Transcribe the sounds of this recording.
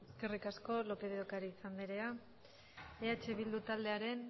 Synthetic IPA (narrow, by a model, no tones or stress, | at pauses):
eske̞rikasko̞lo̞pe̞ðeokaɾiːsand̪eɾe̞a | eat͡ʃe̞β̞ild̪ut̪ald̪eaɾe̞n